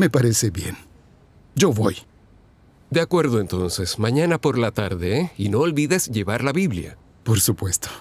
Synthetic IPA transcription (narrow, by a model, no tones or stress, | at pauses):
mepaɾeseβjḛn | d͡ʒo̞βo̞j | d̪eakwe̞ɾðo̞e̞nt̪o̞nse̞smãɲanapo̞ɾlat̪aɾðeino̞ːlβiðesʝe̞βaɾlaβiβlja̰ | poɾsupwe̞st̪o̥